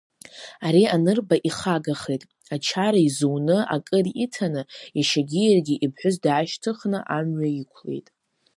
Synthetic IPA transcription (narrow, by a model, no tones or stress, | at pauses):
aɾianɨrbaʔiχaɡaχejtʼ | at͡ʃʰaɾaizownɨa̰kʼɨritʰanɨjaʃaɡʲijarɡʲiʔibʰħʷʊzdʕaʃtʰɨχnɨʔamɥaikʷʰle̞̰jtʼ